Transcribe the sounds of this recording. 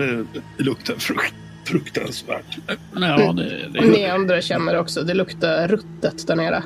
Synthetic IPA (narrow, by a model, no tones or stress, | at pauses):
ɛɛlɵkt̪ʰaɾf | fɾɵkt̪a̰nsvæ̰ːʈ | d̪ɛ̰d̪nɪand̪ɾaɕɛnːəɾɔksɔd̪ɛlɵkt̪aɾɾɵt̪ːət̪d̪æɳeːɾa̰